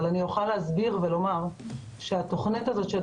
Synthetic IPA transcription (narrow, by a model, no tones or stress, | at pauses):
lanijoχaleɦazbiʁvelo̞maʁ | ʃeat̪o̞χnit̪azo̞t̪ʃel